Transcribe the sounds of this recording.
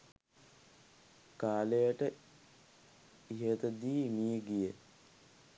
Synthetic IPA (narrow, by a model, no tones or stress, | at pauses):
kaːlejəʈə | iɦet̪əd̪iːmijəɡijə